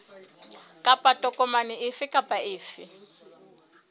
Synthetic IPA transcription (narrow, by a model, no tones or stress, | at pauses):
kʼapʼatʼɔkʼɔmanɪʔɪfɪkʼapʼaɪːfɪ